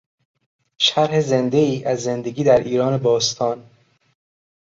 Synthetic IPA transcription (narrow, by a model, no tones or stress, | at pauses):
ʃæɾheze̞nd̪e̞iːʔæzːe̞nd̪e̞ɡiːd̪æɾʔiːɾɒːne̞bɒːst̪ʰɒːn